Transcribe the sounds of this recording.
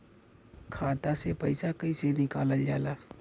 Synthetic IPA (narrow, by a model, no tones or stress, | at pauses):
kʰaːt̪asepəɪsakəisenɪkaːləld͡ʒaːlaː